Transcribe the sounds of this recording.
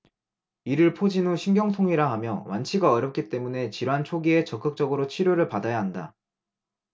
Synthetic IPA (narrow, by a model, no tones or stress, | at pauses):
iɾɯɭpʰod͡ʑinuɕʰimɡjʌŋsʰoŋiɾaɦamjʌwʔant͡ɕʰiɡaʌɾjʌp̚k͈it͈e̞mune̞t͡ɕiɾant͡ɕʰoɡie̞t͡ɕʌk͈ɯk̚t͡ɕ͈ʌɡɯɾot͡ɕʰiɾjoɾɯɭpadajaɦanda̰